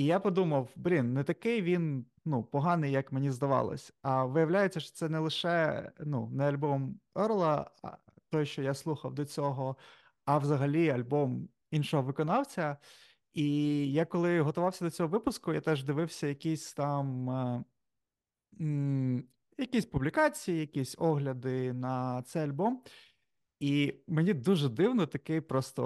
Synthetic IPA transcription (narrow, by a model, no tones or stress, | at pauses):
ijapɔd̪umɐwbɾɪnːɛt̪ɐkɪjʋʲin | nupɔɦɑnɪjːɐkmenʲizd̪ɐʋɑ̰lˠɔ̰sʲɐʋɪjɐwlʲajʊt͡sʲːɐʃt͡ʃɔ̥t̪sɛnɛlˠɪʃɛnunɛɐlʲbɔmɔrlˠɐ̰ | t̪ɔjʃt͡ʃɔjaslˠuxɐwd̪ɔt͡sʲɔɦɔ | ɐwzɐɦɐlʲiɐlʲbɔm | inʃɔɦɔʋɪkɔnɑwt͡sʲɐ | ijakɔlˠɪɦɔt̪ʊʋɑwsʲɐd̪ɔt͡sʲɔɦɔʋɪpʊskʊjat̪ɛʒd̪ɪʋɪwsʲɐjɐkʲisʲt̪ɑm | jɐkʲisʲpublʲikɑt͡sʲijijɐkʲisʲɔɦlʲɐd̪ɪnɐt̪sɛjɐlʲbɔm | imenʲid̪uʒɛd̪ɪwnɔt̪ɐkɪpɾɔst̪ɔ